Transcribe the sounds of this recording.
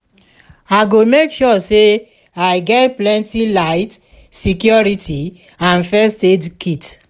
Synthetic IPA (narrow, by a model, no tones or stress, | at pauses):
aɪɡomekʃɔse | aɪɡɛtplɛ̃ntilaɪt | sikjɔɹitʰi | ãnfɛsted͡ʒkʰit